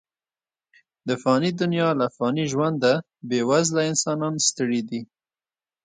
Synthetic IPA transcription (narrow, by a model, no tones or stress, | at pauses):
d̪əfɑnid̪ʊnjɑlaːfɣɑniʒwand̪a | bewazlaɪnsɑnɑnst̪əɽid̪i